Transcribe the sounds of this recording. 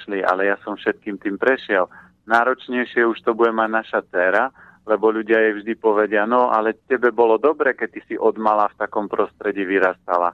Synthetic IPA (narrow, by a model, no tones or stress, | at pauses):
ʃliʔa̰lɛjasɔmfʃɛt̪̚kiːmt̪iːmpɾɛʃɪɛl | naːɾɔt͡ʃɲɛjʃɪɛuʃt̪ɔbuɟɛmaɟnaʃat͡sɛːɾa | lɛbɔʎuɟɪajɛvʒd̪ipɔʋɛɟɪanɔa̰lɛcɛbɛbɔlɔd̪ɔbɾɛːkɛc̚t̪isiʔɔd̪malaːft̪akɔmpɾɔst̪ɾɛɟiːʋiɾast̪a̰la̰